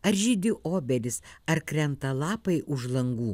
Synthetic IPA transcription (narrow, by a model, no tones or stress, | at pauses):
ɐɾʒʲɪd̪ʲɪʔoːbʲɛlʲɪsɐɾkɾʲɛnt̪ɐlˠɑːpɐɪʔʊʒlˠɐŋɡuː